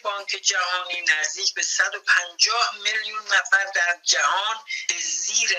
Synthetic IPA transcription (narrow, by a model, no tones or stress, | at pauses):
bɒːŋkʰe̞d͡ʒæhɒːniːnæzd̪iːcʰbe̞sæd̪opʰænd͡ʒɒːhmiljunːæfæɾd̪æɾd͡ʒæhɒːnb̥eziːɾe